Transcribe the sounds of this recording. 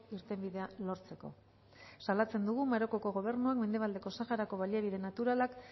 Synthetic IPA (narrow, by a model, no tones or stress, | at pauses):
iɾt̪e̞mbiðe̞alo̞ɾt͡se̞ko̞̰ | salat͡se̞nd̪uɣ̞umaɾo̞ko̞ko̞ɣ̞o̞β̞e̞ɾnuakme̞nd̪e̞β̞ald̪e̞ko̞saxaɾako̞β̞aliaβiðe̞nat̪uɾalak